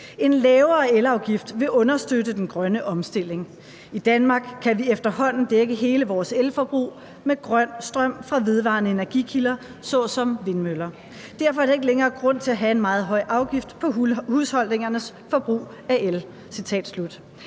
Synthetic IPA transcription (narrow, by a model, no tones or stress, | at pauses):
e̝nlɛːʊɐelɑ̈ʊɡ̥ifd̥ʋe̝ʔɔ̽nɐsd̥ødəd̥enɡ̥ʁɶnəʔɒ̽msd̥e̝l̰e̝ŋ | id̥ænmɑ̈ːɡ̥kʰːæʋiefd̥ɐhɒ̽n̰n̩d̥eɡ̥əɦe̝ːləʋɒːselfɒ̽b̥ʁṵː | meɡ̥ʁɶn̰sd̥ʁɶm̰fʁɑ̈ʋe̝ð̞ˠʋɑ̰̈nəe̝næɐɡ̥ḭkʰilɐ | sɒ̽sɒ̽mʋe̝nmølɐ | d̥æɐfɒɐ̥ɑ̈e̝ɡ̥əleŋɐːɡ̥ʁɔ̽n̰t͡sʰe̝læɦæe̝nmɑ̈ːð̩ˠɦɒ̽ɪ̰ʔɑ̈ʊɡ̥ifd̥pʰɒ̽hushɒ̽l̰ne̝ŋɐnəs | fɒ̽b̥ʁṵː | æʔel | sit͡sʰɛ̰ːd̥slud̥